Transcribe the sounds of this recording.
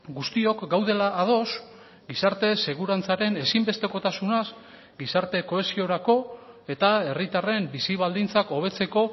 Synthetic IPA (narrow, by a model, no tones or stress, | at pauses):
ɡust̪io̞kɡawðe̞laːð̞o̞s | ɡisaɾt̪e̞se̞ɣuɾant͡saɾe̞ne̞simbe̞st̪e̞ko̞t̪asunas | ɡisaɾt̪e̞ko̞e̞sio̞ɾako̞ | e̞t̪ae̞rit̪are̞mbisiβ̞ald̪int͡sako̞β̞e̞t͡se̞ko̞